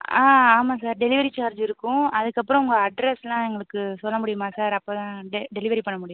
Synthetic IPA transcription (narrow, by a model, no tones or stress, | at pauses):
aːaːmaːsaːɾɖɛlɪʋɐɾit͡ʃaːɾd͡ʒɪɾɯkːʊ̃ɐðɯkːɐpːɯɾɔ̃ʊŋɡɐɐɖɾɛslãːɛŋɡɐɭɯkːɯsɔlːɐmʊɽɪjɯmaːsaːɾɐpːoːt̪ãːɖɛɖɛlɪʋɐɾipɐɳːɐmʊɽɪj̃